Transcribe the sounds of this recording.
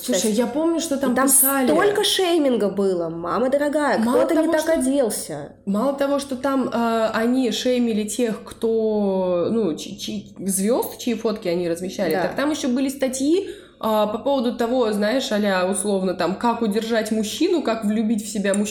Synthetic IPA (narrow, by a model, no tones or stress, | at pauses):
sˠuʂəjjapo̞mnʲʊʂt̪ot̪amt̪mɪsalʲɪolʲkəʂejmʲɪnɡəbɨlˠəma̰məd̪əɾɐɡajəkmaloət̪ənʲɪt̪akɐdʲelˠsʲə̰ | malˠət̪ɐvo̞ʂt̪o̞t̪amaɐnʲiʂejmʲɪlʲɪtʲe̞xkt̪o̞nut͡ɕɪt͡ɕizvʲo̞st̪t͡ɕɪifo̞t̪kʲɪɐnʲiɾəzmʲɪɕːælʲɪt̪akt̪amjɪɕːobɨlʲɪst̪ɐtʲji | apɐpo̞vəd̪ʊt̪ɐvo̞znajɪʂɐlʲaʊslˠo̞vnət̪amkakʊdʲɪrʐatʲmʊɕːinʊkakvlʲʉbʲitʲfsʲɪbʲamʊ